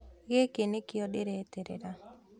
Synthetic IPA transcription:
ɡekenekɪɔdɪɾet̪eɾḛɾa

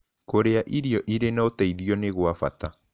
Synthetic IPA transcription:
koɾeaʔiɾiɔʔiɾenaotaiðiɔneɣwafa̰ta

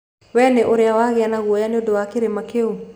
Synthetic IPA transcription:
wɛneʔoɾɪawaɣɪanaɣwɔjanodowakeɾemakeo

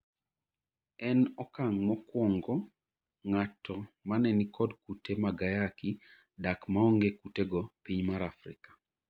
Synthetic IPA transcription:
ɛnɔkaŋmɔkwɔŋɡɔ | ŋatʰɔmanɛnikɔdkutemaɡajaki | dakmaɔŋɡekuteɡɔpiɲmaɾafɾɪ̰kḁ

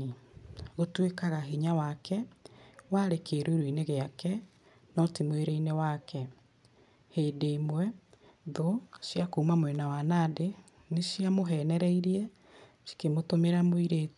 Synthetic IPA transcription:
ɣotwekaɣaɦiɲawakʰɛwaɾekeːɾoɾwineɣeakɛ | nɔtimweɾeinewakɛ | hedeːmwɛ | ðoʃjakoumamwɛnawanade | neʃiamoɦɛnɛɾɛiɾiɛ | ʃi̥kemotomeɾamoiɾeːt

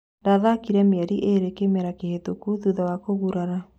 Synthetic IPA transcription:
ndaðakiɾɛmeɛɾiʔeɾekemɛɾakehetokuðuðawakoɣuɾaɾa

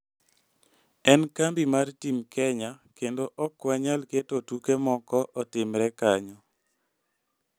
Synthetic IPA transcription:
ɛnkambimartimkʰɛɲakendoʔɔkːwaɲalketotukemɔkɔʔɔtɪmɾɛkaɲɔ

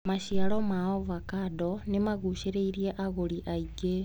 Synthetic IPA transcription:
maʃiaɾɔmaɔvakadɔnemaɣuʃeɾeiɾieʔaɣoɾiʔaiɡe

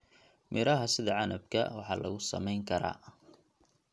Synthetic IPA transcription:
mʔɪɾɐɦɐsɪðɐʕɑnɐb̚kʰɐ̰wɑħɑːlʔɐ̰ɣʊsɐ̰mɛjŋkʰɐɾa̰ː

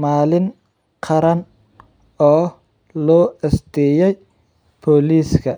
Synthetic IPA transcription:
maːlɪn | qʰɑɾɐn | ɔː | lɔːɛst̪ʰɛjɛj | pʰɔːliːskʰɐ

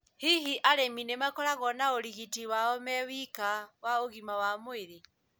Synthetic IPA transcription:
hiɦiʔaɾeminemakɔɾaɣɔnaoɾiɣitiwaɔmɛwikawaoɣimawamoeɾe

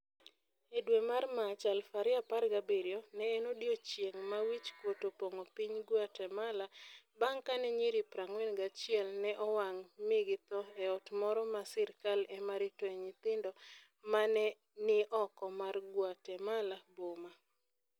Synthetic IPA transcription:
edwemarmat͡ʃalfaɾɪaparɡabeɾjonɛːnodjot͡ʃjeŋmawit͡ʃkwotopoŋopiɲɡwatɛmala | baŋkanɛɲiɾipɾaŋwɛnɡat͡ʃɪɛlnɛʔɔwaŋmɪɡɪt̪ɔɛɔtmɔɾɔmasɛɾkalɛmaɾɪtwɲɪt̪ɪndɔ | manɛ | nɪʔɔkɔmarɡwatɛmalaboma

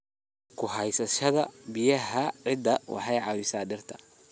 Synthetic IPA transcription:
kʰʊɦɐjsɐʃɐðɐbɪjɐɦɐʕɪd̪ɐwʔɑ̰ħɑjʕɑwɪsaːɖɪrt̪ʰɐ̥

